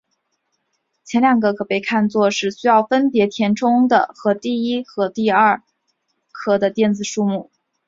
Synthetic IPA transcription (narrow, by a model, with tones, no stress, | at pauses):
t͡ɕʰjɛ˧˥nljɑ˨˩ŋɡə˩kʰɤ˨˩pe˥˧ɪkʰa˥˧nt͡swɔ˥˧ʂɻ̩˥˩ɕy˥jɑ˥˩ʊfə˥npjɛ˧˥t̪ʰjɛ˧˥nʈ͡ʂʰʊ˥ŋd̪ə̰˨xɤ˧˥t̪i˥˩i˥xɤ˧˥t̪i˥˧ɐ˥˩ | kʰɤ˥˩d̪ə˨t̪jɛ˥˩nt͡sɹ̩˨˩ʂu˥˧mu˥˩